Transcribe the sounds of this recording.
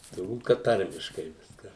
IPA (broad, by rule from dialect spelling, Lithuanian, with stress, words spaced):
tʊrˈbuːt kɐt ˈtɐrʲmʲɪʃkɐɪ ˈʋʲɪskɐ